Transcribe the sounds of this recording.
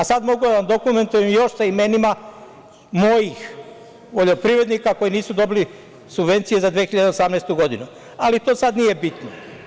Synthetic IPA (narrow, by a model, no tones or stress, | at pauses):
asad̪mo̞ɡud̪aʋamd̪o̞kume̞nt̪ujemjo̞ʃsaime̞nima | mo̞jix | ʋo̞ʎo̞pɾiʋɾe̞d̪nikako̞jiniːsud̪o̞bili | subʋe̞nt̪sije̞zad̪ʋiexiʎad̪e̞o̞samnest̪uɡo̞d̪inu | alit̪o̞ːsad̪nije̞bit̪no